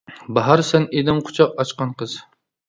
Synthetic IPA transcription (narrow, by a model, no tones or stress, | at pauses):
baɦɑɾsæned̪ɪmqʰʊ̥t͡ʃʰɑq̚ɑt͡ʃqɑnqʰɨz̥